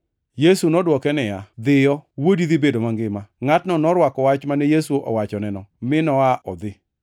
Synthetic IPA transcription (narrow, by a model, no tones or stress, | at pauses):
jesunɔdwɔkɛnɛjad̪ɪjɔwodid̪ibedomaŋɡɪmaŋatnɔnɔɾwakɔwat͡ʃmanɛjesuʔɔ̰wat͡ʃɔnɛnɔmɪnɔaʔɔ̰d̪ɪ